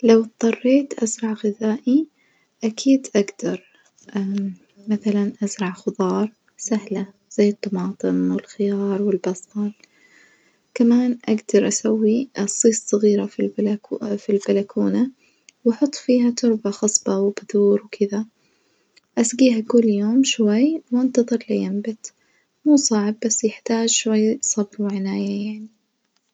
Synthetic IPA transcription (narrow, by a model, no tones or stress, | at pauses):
lawt̪t̪ˤːɑrˤːeːt̪ʔa̰zɾˤɑʕɣɪðaːʔi | ʔakʰiːd̪ʔaɡd̪ɑɾˤ | ʔa | maθalanʔazɾˤɑʕxʊðˤɑːɾˤ | sahla | z̥ajːɨt̪ˤːɑmɑːt̪ˤɨmwɪlxɪjɑːɾˤwɪlbɑsˤt̪ˤɑl | kamaːnʔaɡd̪ɑɾˤʔasawːisˤːiːssˤɑɣiːɾafilbfilbalakuːna | wʔɑħʊt̪ˤːfiːɦat̪ʊɾbaxɑsˤb̥ɑwɪbaðuːɾwkʰɪða | ʔasɡiːɦakʊlːjoːmʃwajːwʔant̪ɑðˤɨɾlajambɪt̪ | muːsˤɑʕbːasːjɪħt̪aːd͡ʒʃwajːsˤɑbɾwɪʕɪnaːjajaʕni